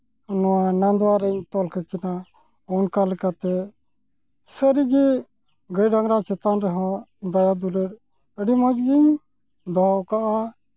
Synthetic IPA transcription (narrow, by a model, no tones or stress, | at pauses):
nɔwanand̪ɔwaɾəɲt̪ɔlkakina | ɔnkalɛkat̪ɛ | səɾiɡɛ | ɡəjɖaŋɾat͡ʃɛt̪anɾɛɦɔ̃d̪ajad̪uləɾ | əɖimɔ̃d͡ʒɡiɲ | d̪ɔɦɔwkaʔa